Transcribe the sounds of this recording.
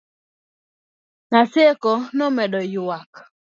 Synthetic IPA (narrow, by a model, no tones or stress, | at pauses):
nasekɔnɔmɛɗɔjʊwak